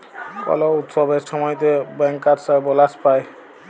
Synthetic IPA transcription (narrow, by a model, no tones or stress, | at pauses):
kɔ̰lɔut̪sɔbeɾsɔmɔjt̪ebɛŋkːaɾsabɔlaspaj